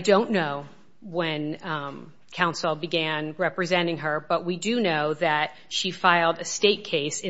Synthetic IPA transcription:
dõʊ̃nːoʊ | wɨ̃n | kʰãʊ̃nsl̩ˠbɨɡæ̃nɹɛpɹɨzɛ̃ɾ̃ɪ̃ŋə˞bʌʔ̚widɨnoʊðɨt̚ʃifaɪl̩ˠdɨsteɪt̚kʰeɪsɨ̃

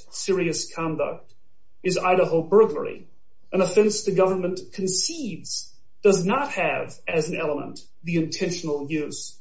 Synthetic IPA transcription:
sɪɹiɨskʰɑ̃ndʌ̰k̚t | ɨza̰ɪɾəɦl̩ˠbɜ˞ɡlə̰˞ḭ | ʔɨ̃ñəfɛ̃nsðɨɡʌvə˞mə̃nkʰn̩sidz̥ | d̥ʌznət̚hɨv | ɨz̃n̩ɛlˠəmə̰̃n | ðiɨ̃ntʰɛ̃nʃn̩l̩ˠjʉz̥

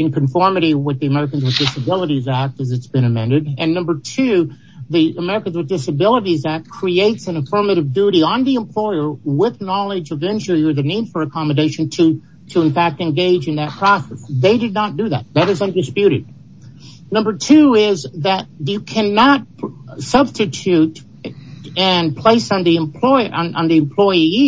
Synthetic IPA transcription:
ɨ̃nkɨ̃ɱfɔɹmɨɾiwʌt̪̚ðiɨmɛɹɨkɨ̃n̩zwɨðdɪsɨbɪlˠəɾizæk̚tɨzɨtsb̥ɨ̃ñɨmɛ̃ndɨɾɨ̃nːʌ̃mbə˞tʰʉ | ðiɨmɛɹɨkɨ̃n̩zwɨðdɪsɨbɪlˠəɾizæk̚kʰɹ̥ieɪtsɨ̃nɨfɜ˞mɨɾɨvdʉɾiə̃nðiə̃mpʰl̥ɔɪə˞wɪðnɑlˠɪd͡ʒɨvɛ̃nt͡ʃl̩ˠiə˞ðɨnid̥fə˞ɨkʰɑmɨdeɪʃɨ̃n̩tʰɨ | ɾɨɨ̃ɱfæk̚tɨ̃nɡeɪd͡ʒɨ̃nðɨt̚pʰɹ̥ɑsɛsðeɪdɨdⁿnət̚d̥ɨðæ̰t̪̚ðɨɾɨzʌ̃mdɨspjʉɾɨ̰d̚ | nʌ̃mbə˞tʰʉɪzðɨt̚ɨkʰænɑt̚sʌb̥stɨtʰʉɾ | ɨ̃npʰl̥eɪsn̩ðiɨ̃mpʰl̥ɔɪʔə̃nʔə̰̃nðiɨ̃mpʰl̥ɔɪii

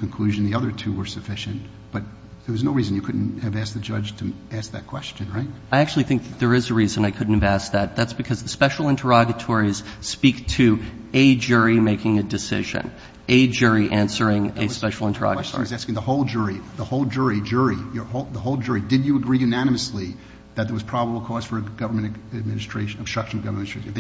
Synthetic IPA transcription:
kʰɨ̃n̩kʰl̥ʉʒɨ̃n̩ðiʌðə˞tʰʉwə˞sɨfɪʃɨ̃n | b̥ʌt̪̚ | ðə˞wʌznoʊɹizɨ̃n̩jɨkʰʊdⁿn̩tɨvæs̚ðɨd͡ʒʌd͡ʒ̥tʰɨæsk̚ðɨt̚kʰw̥ɛst͡ʃɨ̃nɹaɪt̚aɪæk̚t͡ʃʉl̩ˠiθɪ̃ŋk̚ðɨt̪̚ðə˞ɨzɨɹizɨ̃naɪkʰʊdⁿn̩tɨvæsk̚ðɨt̪̚ðætsb̥ɨkʰʌzðɨspɛʃl̩ˠɪ̃ntʰə˞ɑɡɨtʰɔɹiz̥spiktʰɨɨd͡ʒʊɹimeɪkɪ̃ŋɨdɨsɪ̰ʒɨ̰̃n | ʔɨd͡ʒʊɹiʔæ̃nsə˞ɪ̃ŋɨspɛʃl̩ˠɪ̃ntʰə˞ɑ̰ɡɨtʰɔ̰ɹzæskɪ̃ŋðəhoʊlˠd͡ʒʊɹiðəhoʊlˠd͡ʒʊɹid͡ʒʊɹijə˞hoʊðəhoʊlˠd͡ʒʊɹidɨd͡ʒɨəɡɹiɨnænɨmɨsli | ðɨt̪̚ðə˞wʌz̥pʰɹ̥ɑbəbl̩ˠkʰɔz̥fə˞ɨɡ̥ʌvə˞mɨ̃nɨd̚mɪ̃nɨstɹ̥eɪʃnɨb̥stɹ̥ʌkʃn̩ʌvɡʌvə˞mɨ̃nsɹẽ

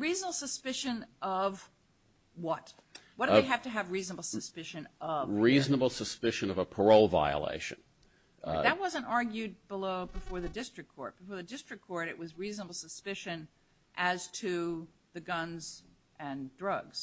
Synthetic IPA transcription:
ɹiznəbl̩ˠsəspɪʃɨ̃nʔʌv | wʌt̚ | wʌdɪɦæftɨːvɹiznəbl̩ˠsɨspɪʃɨ̃nʔʌvɹiznəbl̩ˠsəspɪʃɨ̃nʌvəpʰə˞oʊlˠva̰ɪə̰lḛɪʃɨ̰̃n | ðɨt̚wʌzə̃ntɑɹɡjʉd̚bəloʊbəfɔɹðɨdɪstɹ̥ɨkʰɔ̰ɹt̚b̥ɨfɔɹðɨdɪstɹ̥ɨkʰːɔɹɾɨʔ̚wʌzɹiznəbl̩ˠsəspɪʃɨ̃n | ʔɨz̥tʰɨðɨɡʌ̃nz | ʔɨ̃ndɹʌɡz̥

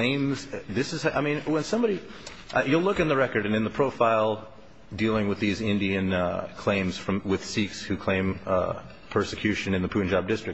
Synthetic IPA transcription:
lẽɪ̃mz̥ðɪsɨzʔaɪmĩnwə̃nsʌ̃mbɑɾi | ʔajɨlʊkɨ̃nðɨɹɛkə˞ɾɨ̃nɨ̃nðəpʰɹ̥oʊfaɪlˠ | dilˠɪ̃ŋwɨðizɪ̃ndiɨ̃nkʰl̥ẽɪ̃mz̥fɹʌ̃mwɨð̥sikshʉkʰl̥ẽɪ̃m | pʰɜ˞sɨkʰj̥ʉʃɨ̃nɨ̃nðɨpʰʉ̃nd͡ʒɑb̚dɪstɹ̥ɨk̚

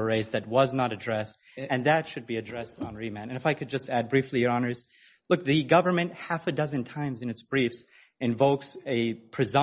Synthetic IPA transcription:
əɹeɪzðɨt̚wʌznəɾɨdɹɛst | ɨ̃nðɨtʃɨd̚biɨdɹɛstn̩ɹimæ̃ñtɨ̃nɨfaɪkʰɨd̚d͡ʒʌstæd̚bɹiflijə˞ɑnə˞z̥ | lʊk̚ðɨɡʌvə˞mɨ̃nʔ̚hæfɨdʌzɨ̃ntʰãɪ̃mzɨ̃nɨtsb̥ɹifs | ɨ̃ɱvoʊksɨpʰɹ̥ɨzɑ̃

